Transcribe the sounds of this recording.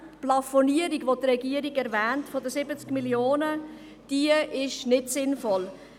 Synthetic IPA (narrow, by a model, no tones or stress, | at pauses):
plɑfɔniəɾiɡʋodɾɛɡiəɾiɡɛɾvɛːntfɔdəsɪbət͡skmiljoːnə | d̥iəɪʃnɪtsɪnfɔl